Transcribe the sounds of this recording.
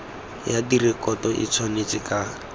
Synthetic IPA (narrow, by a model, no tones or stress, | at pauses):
jadirikʼɔtɔʔḭt͡sʰwanet͡sika